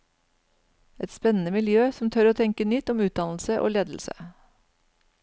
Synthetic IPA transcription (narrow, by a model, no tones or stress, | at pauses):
ɛt̪spɛnən̩əmɪljøːsɔmt̪ʰœɾoːt̪ʰɛŋkənʏt̪ːɔmʉːt̪̚d̪ɑnl̩səʔo̰ːleːd̪l̩sə̰